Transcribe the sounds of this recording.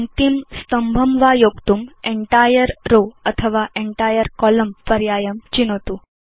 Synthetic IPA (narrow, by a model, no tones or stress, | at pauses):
nt̪imst̪əmbʱəmʋajokt̪umeɳʈajəɾɾoət̪ʰəʋaʔeɳʈajəɾkɔləmpəɾjajəmt͡ɕinot̪u